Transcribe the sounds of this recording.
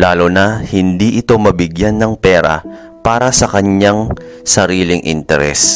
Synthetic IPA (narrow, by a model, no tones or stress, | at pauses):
laːlonɐhɪnd̪iʔɪt̪o̞mɐbɪɡjanːɐŋpɛːɾɐ̰ | paːɾɐsɐkɐɲːaŋsɐɾiːlɪŋʔɪ̰nt̪ɛ̰ɾɛ̰s